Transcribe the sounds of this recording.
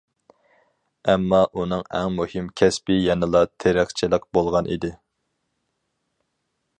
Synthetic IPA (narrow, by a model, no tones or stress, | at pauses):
ɛmːɑʔunɨŋæ̰ŋmuhɪmkʲʰɛspɪjɛnɨlˠɑt̪ʰeɾɪχt͡ʃʰilˠɪq̚bolˠʁɑnʔḭd̪ɪ